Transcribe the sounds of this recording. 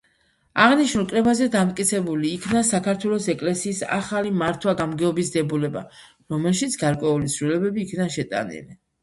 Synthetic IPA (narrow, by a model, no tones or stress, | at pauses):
aʁniʃnulˠkʼɾɛbazɛd̪amt̪ʼkʼit̪sʰɛbuliːkʰnasakʰaɾt̪ʰwɛlˠɔsɛkʼlɛsiːsa̰χalimaɾt̪ʰwaɡamɡɛɔbisd̪ɛbulɛba̰ | ɾɔmɛlˠʃit̪sʰɡaɾkʼwɛulit̪sʰɾilɛbɛbiːkʰnanʃɛt̪ʼa̰nḭli